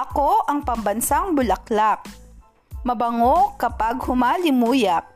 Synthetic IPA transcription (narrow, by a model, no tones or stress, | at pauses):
ɐkoʔɐŋpɐmbɐnsaŋbʊlɐklak̚ | mɐbɐŋokɐpaɡhʊmaːlɪmuːjɐk̚